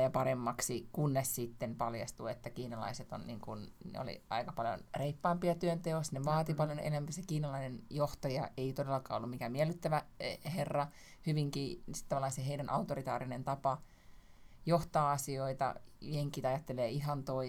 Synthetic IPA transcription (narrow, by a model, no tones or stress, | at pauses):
jɑpɑɾemːɑksikunːessit̪ːempɑljɑst̪uet̪ːækiːnɑlɑ̰iset̪o̰nnḭːŋkunnḛo̰lḭɑ̰ikɑpɑljo̰nreipːɑːmpiɑt̪yønt̪eosneʋɑːt̪ippɑljonḛlæmpisekiːnɑlɑinenjoht̪ɑjɑ̰ʔeit̪odelːɑkɑ̰ːolːumikæmiælˑːyt̪ːæʋæherːɑ | hyʋiŋkiːsi̥t̪ːɑʋɑlːɑiseɦeidænʔɑut̪orit̪ɑːɾinent̪ɑpɑ | joht̪ɑːɑsioit̪ɑ̰jeŋkːˑit̪ɑjɑt̪ːeleːiɦɑnt̪oi